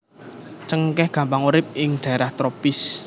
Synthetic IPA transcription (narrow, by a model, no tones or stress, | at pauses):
t͡ʃəŋkɛhɡ̥ä̤mpaŋuɾɪp̚ɪŋɖ̥a̤ɛɾaht̪ɾopɪs